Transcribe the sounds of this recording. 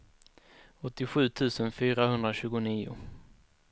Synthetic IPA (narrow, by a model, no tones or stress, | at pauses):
ɔt̪ːɪɧʉ̟ːt̪ʰʉ̟ːsənfyːɾahɵnd̪ɾaɕʉ̟ːɡʊniːʊ̰